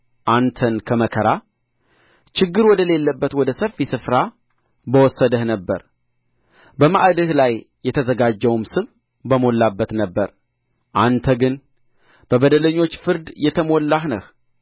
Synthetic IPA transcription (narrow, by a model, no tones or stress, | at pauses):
ʔant̪ʰənkʰəməkʰəɾa | t͡ʃɪɡːɨɾwɔd̪əle̞lːəbːət̪wɔd̪əsəfisɨfɾa | bəwɔsːəd̪əhnəbːə̰ɾ | bəma̰ʔd̪ɨhlajː | ɛt̪ʰəzəɡad͡ʒːɛwumsɨβ | bəmo̞lːabːət̪nəbːəɾ | ʔant̪ʰəɡɨn | b̥əbəd̪ələɲːo̞t͡ʃːfɨɾd̪jɛt̪ʰəmolːahnəh